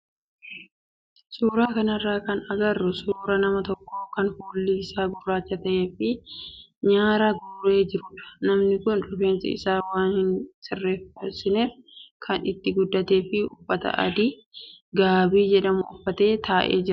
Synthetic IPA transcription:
suːɾaːkɐnɐrːaːkɐnɐɡɐrːʊsuːɾɐnɐmɐt̪ɔkːokɐnfoːlːiːɪsaːɡʊrːaːt͡ʃːɐt̪ɐʔe̞ːfɪ | ɲaːɾɐɡʊre̞ːd͡ʒɪɾʊᶑɐ̥nɐmnɪkʊnᶑʊfeːnsɪ̰ɪ̰saːwaːnhɪnsɪrːeːfɐɾsɪneːfkʰɐnɪt̪ːɪɡʊd̪ːɐt̪e̞ːfɪʊ̰fːɐt̪ɐ̰ʔɐ̰d̪i | ɡaːbiːd͡ʒɛᶑɐmʊʊfːɐt̪e̞ːt̪aːʔḛːd͡ʒɪɾɐ

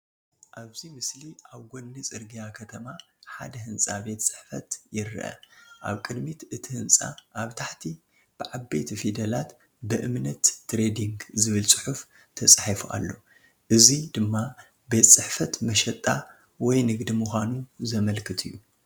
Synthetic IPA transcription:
ʔaβzimɨsliʔaβɡonːɨt͡sʼɨɾɡijakʰɐt̪ʰɐma | ħa̰d̪ɐɦɨnsʼabe̞t̪sʼɨ̥ħfɐ̰t̪jɪɾʔɐ̰ʔa̰βkʼɨd̪mit̪ɨt̪ʰihɨnsʼa̰ʔaβt̪ʰaħt̪ʰi | b̥ɨʕabet̪ʰifid̪ɐlat̪ | bɨʔɨmnɐt̪ːɾed̪iŋɡzɨβɨlsʼɨħuf | t̪ʰɐsʼħifuʔa̰lːo̞ | ʔɨzid̪ɨmːa | be̞t̪sʼɨħfɐt̪mɐʃɛt̪ʼːa | wɔjnɨɡd̪imuxʷanuzɐmɐlkʰɨt̪ʰɨjːu

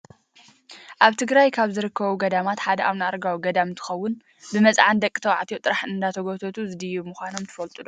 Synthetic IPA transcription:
ʔaβt̪ʰɨɡɾajkʰaβzɨɾɨkːɐβuɡɐd̪amat̪ħad̪ɐʔaβnɨaɾɡawiɡɐd̪amnt̪ʰɨ̥xɐwːʊn | bɨmɐt͡sʼʕand̪ɐkʼːɨt̪ʰɐwʕa̰t̪ʰjot̪ʼɨɾaħɨnd̪at̪ʰɐɡot̪ʰot̪ʰuzɨd̪ɨjumuxʷano̞mt̪ʰɨ̥fɐlt̪ʼɨlo

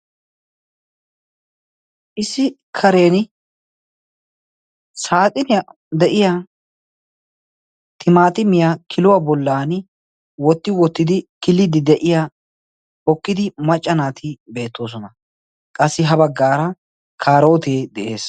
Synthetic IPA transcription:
ʔɪsːɪ | kʰɐɾe̞ːn | saːt̪ʼɪnɪ | d̪ɛʔɪja | t̪ʰɪmaːt̪ɪmɪjaːkʰɪlʊwabɔlːaːn | wɔt̪ːɪwɔt̪ːɪd̪ɪkɪlːɪd̪ɪd̪ɛʔɪja | ɔkːɪd̪ɪmɐt͡ʃʼːɐnaːt̪ʰɪbe̞ːt̪ːo̞ːs̬ɔnɐ | kʼɐsːɪɦɐbɐɡːaːɾɐ | kʰaːɾo̞ːt̪eːd̪ɛʔe̞ːs

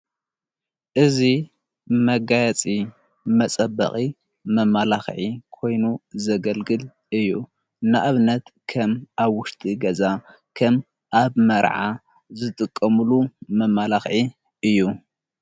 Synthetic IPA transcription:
ʔɨzi | mɐɡajɐt͡sʼi | mɐt͡sʼɐbːɐ̰χʼi | mɐmalaxʕikʰo̞jnuzɐɡɐlɡɨl | ɨjːu | naʔaβnɐt̪kʰɐmʔaβwʊʃt̪ʼiɡɐza | kʰɐm | ʔaβmɐɾʕa | zɨt̪ʼɨkʼːɐmulumɐmːalaxʕi | ʔɨjːu

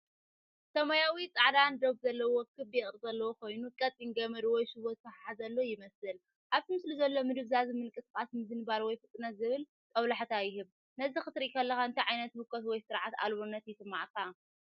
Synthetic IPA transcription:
sɐmɐjawit͡sʼaʕd̪and̪oɡuzɐlːɐwɔkʰːɨbjɛχʼɾɨzɐlːɐwoko̞jnukʼɐt̪ʼːiŋɡɐmɐɾwɔjʃɨβot̪̚fɐħazɐlːojɪmɐsɨl | ʔaβt̪ɨmɨsluzɐlːo̞mɨd̪ɨβzazmɨnkʼɨskʼasmɨzɨnɨbalwɔjfɨt̪ʼːɨnɐt̪zɨβɨl | t̪ʼɐwlaħt̪ʰajɪɦɨβ | nɐzixɨt̪ɾikʰɐlːɐxaɨnt̪ʰiʕajnɐt̪bɨkʰʼːot̪wɔjsɨɾʕat̪a̰lβonːɐt̪jɪsɨmːaʕkʰa

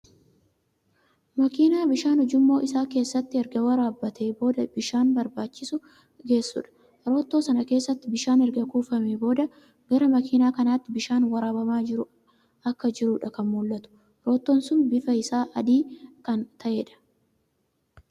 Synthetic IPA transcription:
mɐkiːnaːbɪʃaːnhʊd͡ʒɪmːo̞ːʔɪsaːke̞ːsːɐt̪ːɪɛɾɡɐwɐɾaːbːɐt̪ʰe̞ːbo̞ːd̪ɐbɪʃaːnbɐɾbaːt͡ʃːɪsʊ | ɡe̞ːsːʊ̰ᶑɐ̥ | ɾo̞ːt̪ːo̞ːsɐnɐke̞ːsːɐt̪ːɪbɪʃaːnɛɾɡɐkuːfɐmeːbo̞ːd̪ɐ | ɡɐɾɐmɐkʰiːnaːkɐnaːt̪ːɪbɪʃaːnwɐɾaːbɐmaːd͡ʒɪɾʊ | ɐkːɐd͡ʒɪɾuːᶑɐkɐnmuːlːɐt̪ʊ̥ | ɾo̞ːt̪ːoːnsʊnbɪfɐɪsaːʔɐd̪iːkɐnt̪ʰɐʔe̞ːᶑɐ̥

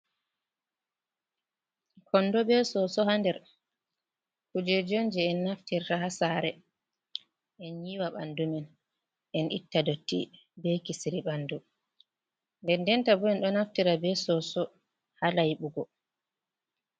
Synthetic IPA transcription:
kʰɔnːdɔbɛsɔsɔhandɛɾ | kud͡ʒɛd͡ʒond͡ʒɛːnːaftiɾtaɦasaɾɛ | ʔɛnɲiwaɓa̰ndumɛn | ʔɛnʔitːadotːḭ | bɛkisiɾiɓandu | ndɛndɛntabɔɛnɗɔnaftiɾabɛsɔsɔ | halajɓuɡɔ

